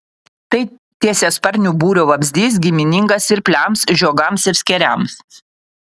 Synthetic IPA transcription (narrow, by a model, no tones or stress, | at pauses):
t̪ɐɪ | t̪ʲiɛsʲeːspɐɾʲnʲuːbuːɾʲoːʋɐbʲzʲd̪ʲiːs̬ɡʲɪmʲɪnʲɪŋɡɐsɪɾpʲlʲæmsʒʲoːɡɐmsɪɾsʲkʲɛɾʲæms